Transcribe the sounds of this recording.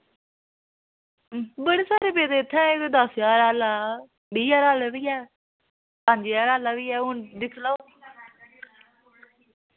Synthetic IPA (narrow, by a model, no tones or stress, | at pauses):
bəɽeːsaːɾeːbeːd̪eːt̪ʰːɛ̃ːɪkd̪asjaːɾaːlaː | biːjaːɾaːlʋiːɛː | pãːnd͡ʒejaːɾaːlaːʋiːɛːʊnd̪ɪkʰlaoː